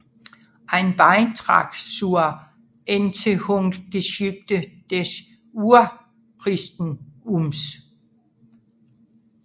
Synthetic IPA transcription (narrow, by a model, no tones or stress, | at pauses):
ʔɑɪnb̥ɑɪnt͡sʰʁɑ̰̈ɡ̥suɐ | ent͡sʰehɔŋd̥d̥esyb̥̚d̥əd̥es | uɐ | pʰʁisd̥n̩ums